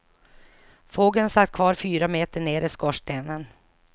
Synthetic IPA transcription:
foːɡənsat̪ːkʰvɑːɾfyːɾameːt̪əɳeːɾɪskɔʂʈeːnən

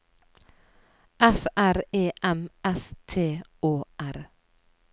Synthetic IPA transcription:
ʔɛfʔæɾeːʔɛmɛst̪ʰeːʔoːʔæɾ

